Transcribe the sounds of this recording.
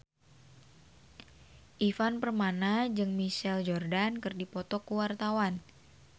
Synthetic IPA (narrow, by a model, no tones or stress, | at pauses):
ʔifanpərmanad͡ʒɨŋmiʃɛld͡ʒɔrdankɨrdipɔt̪ɔkuwart̪awan